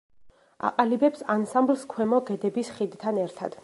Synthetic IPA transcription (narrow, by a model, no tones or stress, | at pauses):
a̰qʼalibɛpsansamblskʰwɛmɔɡɛd̪ɛbisχid̪t̪ʰanɛɾt̪ʰa̰d̪̥